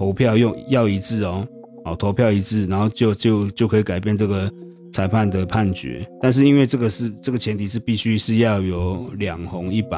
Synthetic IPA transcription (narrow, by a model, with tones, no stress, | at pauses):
t̪ʰo˧˦ʊpʰjɑ˥˨ʊjʊ˥˨ŋjɑ˥˨ʊi˧˥t͡sɹ̩˥˩˨ɔ˨˩ | ɔ˨˩t̪ʰo˧˥ʊpʰjɑ˥˩ʊi˧˥t͡sɹ̩˥˩na˧˦nxo˥˧ʊt͡ɕjo˥˧ʊt͡ɕjo˥˧ʊt͡ɕjo˥˩kʰɤ˧˥i˨˩ka˨˩ɪp̬jɛ˥˧nʈ͡ʂɤ˥˩ɡə˩ | t͡sʰa˧˥ɪpʰa˥˨nd̪ə˩pʰa˥˨nt͡ɕɥɛ̰˧˥˦t̪a˥˧nʂ̬ɻ̩˥˨i˦˥nwe˥˧ɪʈ͡ʂɤ˥˩ɡə˩ʂɻ̩˥˧˨ʈ͡ʂə˥˩ɡə˩t͡ɕʰjɛ˧˦nt̪ʰi˨˩ʂɻ̩˥˧pi˥˩ɕy˥ʂɻ̩˥˧jɑ˥˨ʊjo˨˩ʊljɑ˨˩ŋho˧˦ŋi˥˩pa̰˨˦